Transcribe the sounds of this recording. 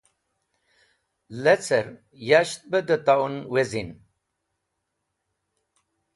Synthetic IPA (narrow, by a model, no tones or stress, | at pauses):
let͡səɾ | jaɕt̪̚bəd̪ət̪awnwezin